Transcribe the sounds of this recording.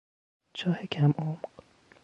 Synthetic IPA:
t͡ʃʰɒːhekʰæmomq

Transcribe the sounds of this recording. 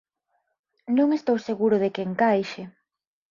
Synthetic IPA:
nõŋest̪owseɣuɾʊðekeŋkajʃɪ

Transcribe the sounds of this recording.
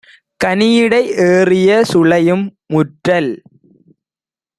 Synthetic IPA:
kɐnɪjɪɽɐɪʔeːrɪjɐsʊɭɐjɯmː | ʊʈrɐl

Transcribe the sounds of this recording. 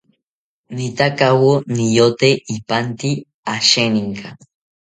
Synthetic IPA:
nit̪akawonijot̪eipant̪i | aʃeniŋka

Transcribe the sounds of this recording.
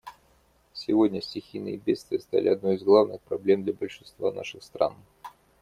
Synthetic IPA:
sʲɪvodʲnʲəsʲtʲɪxʲijnɨ̰jəbʲet̪st̪vʲɪjəst̪a̰lʲɪɐd̪nojɪzɡlˠavnɨxpɾɐblʲe̞md̪lʲəbəlʲʂɨnst̪va̰na̰ʂɨxst̪ɾa̰n

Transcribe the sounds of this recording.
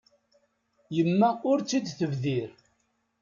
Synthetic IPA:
jəmːæʊɾt͡sːid̪θəvðiɾ

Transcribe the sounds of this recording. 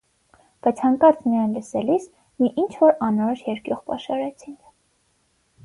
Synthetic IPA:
b̥ɑjt͡sʰhɑŋkɑɾt͡smijɑjnləsɛlis | miʔint͡ʃʰvɔɾɑnɔɾɔʃjɛɾkjɔʁpɑ̰ʃɑɾɛt͡sʰiŋkʰ

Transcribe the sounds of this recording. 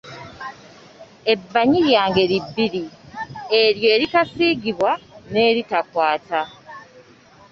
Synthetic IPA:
e̞bːaɲiɾjaːŋɡe̞ɾibːiɾi | eɾjo̞ːɾitasiɡiβwane̞ːɾitakwaːta

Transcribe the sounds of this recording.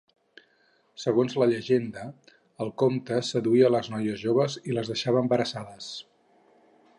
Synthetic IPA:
səɣonzləʎəʒend̪əː | lˠkomt̪əsəðuiələznɔjəzʒoβəziləzðəʃaβəəmbəɾəsaðəs

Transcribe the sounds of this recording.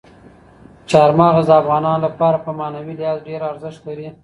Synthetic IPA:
t͡ʃɑɾmɑɣazd̪aːfɣɑnɑnlapɑɾapəmɑnawiljɑzɖeɾaɾzɪʃt̪laɾi

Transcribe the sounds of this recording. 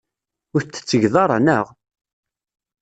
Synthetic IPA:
ʊɾt͡sːə̥t͡sːəʝðˤɑɾˤɑ̰nəʁ

